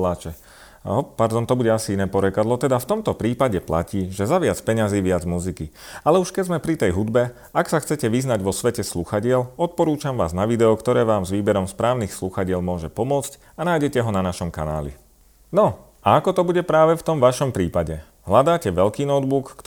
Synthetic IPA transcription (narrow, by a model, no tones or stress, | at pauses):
laːt͡ʃɛ | ɔpaɾd̪ɔnt̪ɔbuɟɛasiinɛːpɔɾɛkad̪lˠɔt̪ɛd̪aft̪ɔmt̪ɔpɾiːpaɟɛpla̰ciːʒɛzaʋɪat͡spɛɲaziːʋɪad͡zmuziki | alɛuʃkɛzmɛpɾit̪ɛjɦud̪bɛ | aksaxt͡sɛcɛʋiznaɟʋɔsʋɛcɛsluxaɟɪɛlɔt̪̚pɔɾuːt͡ʃamʋaːznaʋid̪ɛɔkt̪ɔɾɛːʋaːmzʋiːbɛɾɔmspɾaːʊnixsluxaɟɪɛlmʊɔʒɛpɔmʊɔt͡sc | anaːjɟɛcɛɦɔnanaʃɔmka̰na̰ːlḭ | nɔ | aakɔt̪ɔbuɟɛpɾaːʋɛft̪ɔmʋaʃɔmpɾiːpaɟɛ | ɦlad̪aːcɛʋɛlkiːnɔd̪̚bukː